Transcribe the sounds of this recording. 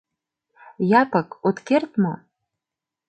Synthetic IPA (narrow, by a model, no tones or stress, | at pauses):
jɑpɤ̆kot̪kert̪mo